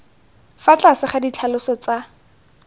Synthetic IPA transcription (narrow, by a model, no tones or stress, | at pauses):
fat͡ɬʼasɪχadit͡ɬʰalʊsɔt͡sa